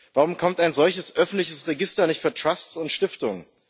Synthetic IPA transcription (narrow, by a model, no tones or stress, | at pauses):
v̥aʁʊmkʰɔmtaɪnzɔlçəsʔœfn̩tlɪçəsʁeɡɪstɐnɪçtfyːɐtʁ̥assʊntʃtɪftʊŋən